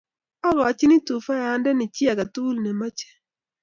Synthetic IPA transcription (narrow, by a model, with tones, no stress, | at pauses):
ɔ˦ɡɔ˨t͡ʃɪ˦nɪ˦tu˨fa˦ja˨˦ndɛ˦nɪ˨t͡ʃja˨ka˨tu˦lnɛ˨ma˦t͡ʃɛ̥˦